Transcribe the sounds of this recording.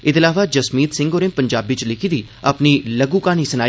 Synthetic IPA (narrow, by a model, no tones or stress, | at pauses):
ɪt̪ɪlaːʋaːd͡ʒəsmiːt̪sɪ̃ŋɡoːɾẽmpəɲd͡ʒaːbɪt͡ʃlɪkʰiːd̪iː | apniːləɡũːkaːniːsənaː